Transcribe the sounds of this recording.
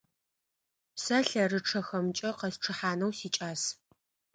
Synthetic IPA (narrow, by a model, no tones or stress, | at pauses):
sɐɬɐrɨʈ͡ʂʰɐxɐmt͡ʃʼɐqɐsʈ͡ʂʰɨħaːnɐwsiːt͡ʃʼaːs